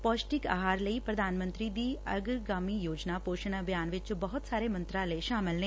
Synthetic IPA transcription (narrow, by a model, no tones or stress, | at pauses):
pɔːsʈɪka̰ːɦaːɾləiːpɾɐd̪ʱaːnmə̃nt̪ɾid̪iːɐɡɡaːmijoːd͡ʒnapoːʃəñabʱjaːnʋɪt͡ʃbɐɦʊt̪saːɾemɐ̃nt̪ɾaːleʃaːmɪlneː